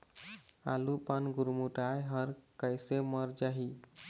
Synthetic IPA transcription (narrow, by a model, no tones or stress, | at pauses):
a̰lupanɡuɾmuʈajɦʌɾkəjsemʌɾd͡ʒaɦi